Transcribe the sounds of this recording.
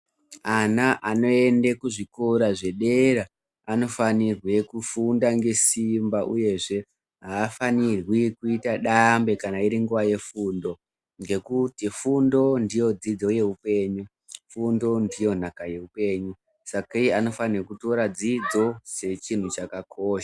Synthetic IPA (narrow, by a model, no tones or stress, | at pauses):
anaʔano̞e̞ndekuʐikoɾaʐe̞ɗeɾa | ano̞fanirwe̞kufundaŋɡe̞simbaʔṵje̞ʐe̞ | ɦaːfanirwikuitaɗambe̞kanaiɾiŋɡuʋaje̞fundo̞ | ŋɡe̞kutifundo̞ndijo̞d͡zid͡zo̞je̞ɦupe̞ːɲu | fundo̞ndijo̞nakaje̞upe̞ɲu | sakaijano̞fanirokuto̞ɾad͡zid͡zo̞se̞t͡ʃin̤ut͡ʃakakʰoːʃa